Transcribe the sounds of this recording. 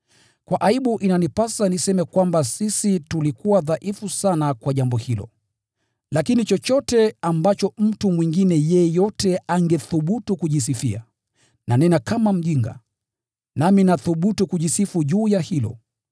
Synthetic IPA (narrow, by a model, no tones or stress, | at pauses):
kwaʔaiɓuʔinanipasanisɛmɛkwambasisitulikuwaðaʔifusanakwaʄambɔhilɔ̰ | lakinit͡ʃɔt͡ʃɔtɛambat͡ʃɔm̩tumwiŋɡinɛjɛjɔtɛaŋɡɛθuɓutukuʄis̬ifia̰ | nanɛnakamam̩ʄiŋɡa̰ | naminaθuɓutukuʄisifuʄuːjahilɔ̰